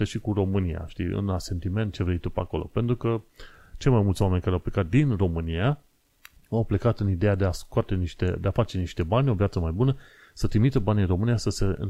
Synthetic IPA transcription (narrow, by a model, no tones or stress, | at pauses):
eʃikuro̞mɨnija̰ʃt̪ḭɨ̰nlase̞nt̪ime̞nt̪̚t͡ʃe̞vɾe̞jt̪upako̞̰lo̞̰pe̞nt̪ɾukət͡ʃe̞jmajmultsʲwame̞nʲkaɾeawple̞kat̪̚d̪inro̞mɨnia | awple̞kat̪ɨnid̪e̞jad̪e̞askoat̪e̞niʃt̪e̞d̪e̞afat͡ʃe̞niʃt̪e̞banʲo̞vjat̪səmajbunə | sət̪ɾimit̪əbaninro̞mɨnijasəse̞ɨ̰